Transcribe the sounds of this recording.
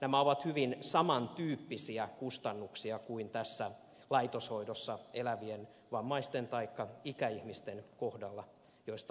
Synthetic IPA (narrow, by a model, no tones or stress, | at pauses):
næmæoʋɑt̪hyʋinsɑmɑnt̪yːpːisiækust̪ɑnːuksiɑkuint̪æsːæ | lɑit̪oshoidosːɑelæʋien | ʋɑmːɑist̪ent̪ɑikːɑikæihmist̪enkohdɑlːɑ | joist̪ɑ